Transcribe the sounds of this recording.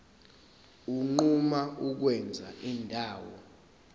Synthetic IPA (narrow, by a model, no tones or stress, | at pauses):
uŋ͡ǃumauk̬wɛnd͡zʱa̰ʔindʱaːwɔ̰